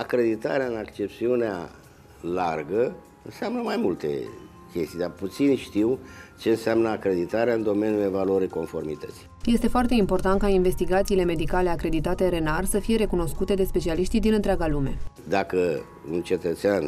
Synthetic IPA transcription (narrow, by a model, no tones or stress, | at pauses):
akɾe̞d̪it̪a̰ɾeaɨnakt͡ʃe̞p̚t̪siunea̰ | larɡə | ɨnseamnəmajmult̪e̞̰ | kʲe̞st̪ijd̪arput̪sinʃt̪iwt͡ʃe̞ɨnseamnəakɾe̞d̪it̪aɾeaɨnd̪o̞me̞nʲjule̞valuəɾiko̞nfo̞rmit̪ət̪si̥je̞st̪e̞foart̪e̞impo̞rt̪ant̪̚kainve̞st̪iɡat̪siːle̞me̞d̪ikale̞akɾe̞d̪it̪at̪e̞ɾe̞narsəfije̞ɾe̞kuno̞skut̪e̞d̪e̞spe̞t͡ʃialiʃt̪id̪inɨnt̪ɾeaɡalume̞̰ | d̪akə | unt͡ʃe̞t̪ət̪sean